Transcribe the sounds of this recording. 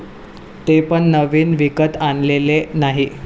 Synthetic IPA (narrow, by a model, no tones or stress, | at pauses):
t̪epəɳːəʋiːnʋikət̪anlelenaɦi